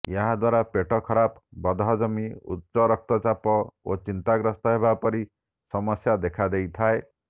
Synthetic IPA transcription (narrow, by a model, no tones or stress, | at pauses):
jaɦad̪waɾapeʈɔkʰɔɾapbɔd̪ɦɔd͡ʒɔmiṵtːsɔɾɔk̚t̪ɔt͡ʃapɔot͡ʃint̪aɡɾɔst̪ɔɦebapɔɾi | sɔmɔsjad̪ekʰad̪ejt̪ʰae